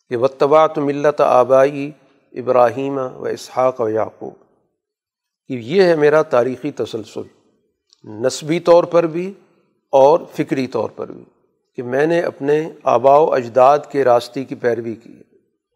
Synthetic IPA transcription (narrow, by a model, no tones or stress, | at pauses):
keʋɐt̪ːɐbaʕt̪mɪlːɐt̪a̰ːbaːi | ɪbɾaːɦiːmʋɐ̰ɪ̰shaːqʋɐja̰ːqṵːb | kejeɦɛmeːɾat̪aːɾiːxit̪ɐsɐlsʊ̰l | nɐsbit̪ɔːɾpɐɾbʱi | ɔːɾfɪkɾit̪ɔ̰ːɾpɐ̰ɾbʱḭ | kemɛ̃ːneʔɐ̰pnea̰ːbaːoʔɐd͡ʒd̪aːd̪keɾaːst̪ekipɛːɾʋikḭː